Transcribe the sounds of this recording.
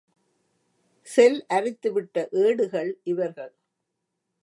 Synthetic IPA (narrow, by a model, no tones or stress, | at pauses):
sɛlʔɐɾɪt̪ːɯʋɪʈːɐʔeːɽɯɣɐɭʔɪʋɐɾɣɐɭ